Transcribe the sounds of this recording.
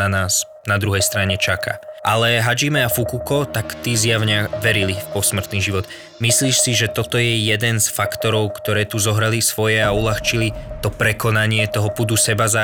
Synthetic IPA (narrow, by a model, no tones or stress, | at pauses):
anaːs | nad̪ɾuɦɛjst̪ɾaɲɛt͡ʃaka̰ʔalɛɦad͡ʒimɛafukukɔt̪akt̪izjaʊɲaʋɛɾilifpɔsmr̩t̪niːʒiʋɔd̪ | misliːʃsiʒɛt̪ɔt̪ɔjɛjɛd̪ɛnsfakt̪ɔɾɔʊkt̪ɔɾɛːt̪uzɔɦɾalisʋɔjɛaulaxt͡ʃilit̪ɔpɾɛkɔnaɲɪɛt̪ɔɦɔpud̪usɛbaza